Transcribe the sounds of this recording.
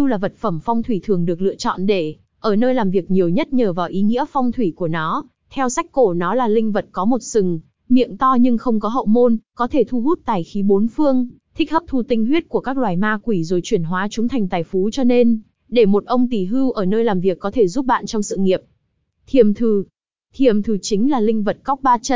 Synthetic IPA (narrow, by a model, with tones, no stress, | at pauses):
ɨ˧wlaː˨˩və˨˩t̚fə˧˩mfɔ˧wŋ͡mt̪ʰwi˧˩t̪ʰɨ˨˩əŋɗɨ˨˩ək̚lɨ̰˧˨ət͡ɕɔ̰˧˨nɗe˧˩ | ʔəː˧˩nəː˧jlaː˨˩mvi˨˩ək̚ɲi˨˩əwɲə˦˥t̚ɲəː˨˩vaː˨˩wʔi˨˦ŋḭ˧˥əfa˧wŋ͡mt̪ʰwi˧˩ku˧˩ənɔ˨˦ | t̪ʰɛ˧wsa˦˥jk̚ko˧˩nɔ˨˦laː˨˩lï˧ŋ̟və˨˩t̚kɔ˨˦mo˨˩t̚sɨ˨˩ŋ | mḭ˧˨əŋt̪ɔ˧ɲɨ˧ŋxə˧wŋ͡mkɔ˨˦ɦə̰˧˨wmo˧nkɔ˨˦t̪ʰe˧˩t̪ʰu˧ɦu˦˥t̚t̪aː˨˩jxi˨˦ɓo˨˦nfɨ˧əŋt̪ʰï˦˥k̟̚hə˦˥p̚t̪ʰu˧t̪ï˧ŋ̟ɦwi˦˥ət̚ku˧˩əkaː˦˥k̚lwaː˨˩jmaː˧kwi˧˩zo˨˩jt͡ɕwi˧˩ənɦwaː˨˦t͡ɕʊ˨˦ŋ͡mt̪ʰa˨˩jŋ̟t̪aː˨˩jfu˨˦t͡ɕɔ˧ne˧n | ɗe˧˩mo˨˩t̚ʔə˧wŋ͡mt̪i˧˩ɦɨ˧wʔəː˧˩nəː˧jlaː˨˩mvi˨˩əkːɔ˨˦t̪ʰe˧˩zu˦˥p̚ɓa̰ː˧˨nt͡ɕɔ˧wŋ͡msɨ̰˧˨ŋi˨˩əp̚ | t̪ʰi˧˩əmt̪ʰɨ˨˩ | t̪ʰi˧˩əmt̪ʰɨ˨˩t͡ɕï˨˦ŋ̟laː˨˩lï˧ŋ̟və˨˩t̚ka˦˥wk͡p̚ɓaː˧t͡ɕə̰˧˥n